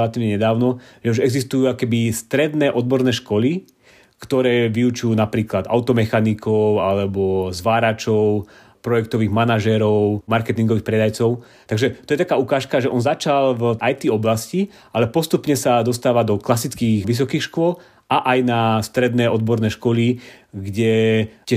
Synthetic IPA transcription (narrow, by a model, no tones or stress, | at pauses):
lat̪iːʋɲɛɲɛd̪aːʊnɔʒɛuʒɛɡzist̪ujuːakkɛbist̪ɾɛd̪nɛːʔɔd̪̚bɔɾnɛːʃkɔli | kt̪ɔɾɛːʋiut͡ʃujuːnapɾiːklad̪a̰ʊt̪ɔmɛxanikʰɔʊalɛbɔzʋaːɾat͡ʃɔʊ | pɾɔjɛkt̪ɔʋiːɣmanaʒɛɾɔʊmaɾkɛt̪iŋɡɔʋiːxpɾɛd̪ajt͡sɔʊ | t̪aɡʒɛt̪ɔjɛt̪akaːukaːʃkaʒɛʔɔnzat͡ʃalvʔajt̪iɔblasci | ʔalɛpɔst̪upɲɛsad̪ɔst̪aːʋad̪ɔklasit͡skiːɣʋis̬ɔkiːxʃkʊɔl | aʔajnast̪ɾɛd̪nɛʔɔd̪̚bɔɾnɛːʃkɔliɡɟɛtɪɛ